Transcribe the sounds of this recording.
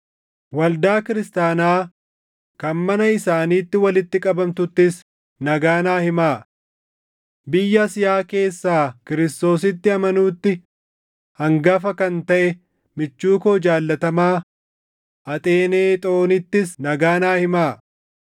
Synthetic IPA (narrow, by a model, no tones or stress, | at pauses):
wɐld̪aːkɪɾɪst̪aːnaː | kɐnmɐnɐɪsaːniːt̪ːɪwɐlɪt̪ːɪkʼɐbɐmt̪ʊt̪ːɪs | nɐɡaːnaːhɪmaː | bɪjːɐsɪjaːke̞ːsːaːkɪɾɪst̪o̞ːs̬ɪt̪ːɪɐmɐnuːt̪ːɪ | hɐŋɡɐfɐkɐnt̪ɐʔɛ | mɪt͡ʃːuːkoːd͡ʒaːlːɐt̪ɐmaː | ʔɐt̪ʼe̞ːne̞ːt̪ʼo̞ːnɪt̪ːɪsnɐɡaːnaːhɪmaː